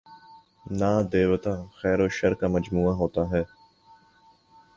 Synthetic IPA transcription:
naːd̪eːʋət̪ãːxɛːɾoːʃəɾkaməd͡ʒmuːaɦoːt̪aːɦɛː

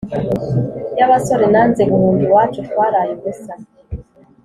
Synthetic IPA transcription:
jaβaso̞ɾenanzemuhuːndiwaːt͡ʃutwaːɾajeɡusa

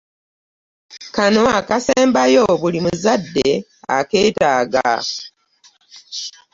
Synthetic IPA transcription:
kano̞akaseːmbajo̞βulimuzadːe | a̰ke̞ːtaːɡa̰

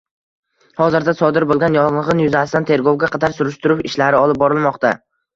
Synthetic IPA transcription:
hɒzɪɾd̪asɒd̪ɪɾbolˠɡʲanjɒllˠʁɨnjʊzasɪd̪ant̪ʰe̞ɾɡowɡʲaqʰɑd̪aɾsʊɾɪʃt̪ʊɾʊpɪʃlaɾɪɒlˠɪp̚bɒɾɪlˠmɒqt̪a

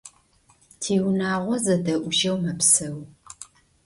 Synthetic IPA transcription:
tʰiːwnaːʁʷɔzɐdɐʔʷʊʒɐwmɐpsɐw

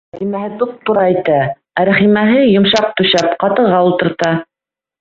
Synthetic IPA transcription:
ɾæχimæhɘt̪up̚t̪uɾɑɘjt̪æ | æɾæχimæɦɘjŏmʃɑq̚t̪ɵ̆ʃæpqɑt̪ɤ̆ʁɑulˠt̪ɤ̆ɾt̪ɑ

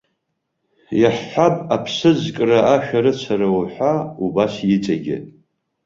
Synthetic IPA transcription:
jaħːapʼapʰsɨzkʼraaʃᶣaɾɨt͡ʃʷʰaɾawħʷaubasjɪt͡sʼaɡʲɪ̰

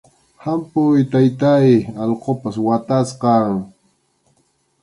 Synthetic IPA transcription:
hampʊjt̪ajt̪ajɑlqopaswat̪asqɑŋ

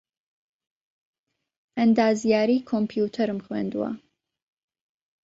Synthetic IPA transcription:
ʔənd̪aːzijaːɾiːkʰompʰjut̪ʰɐɾɨmxwḛːnd̪uwɐ̰

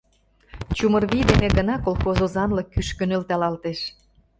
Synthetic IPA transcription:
t͡ɕumə̆rβid̪eneɣənɑkolxozozɑnlɤ̆kːyʃkø̆nø̆lt̪ɑlɑlt̪eʃ

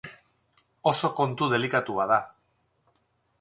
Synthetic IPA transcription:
o̞so̞ko̞nt̪uðe̞likat̪uað̞a

